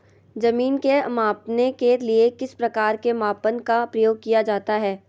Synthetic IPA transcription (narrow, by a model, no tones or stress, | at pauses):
d͡ʒɐmiːnkeɐmaːpnekeliekɪspɾɐkaːɾkemaːpənkapɾɐjoːɡ̚kijad͡ʒaːt̪aɦɛː